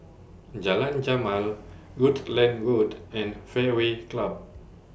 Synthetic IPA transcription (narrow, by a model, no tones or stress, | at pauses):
d͡ʒalãnd͡ʒamãl | ɹudlɛ̃nɹudɛ̃nfɛweklab̚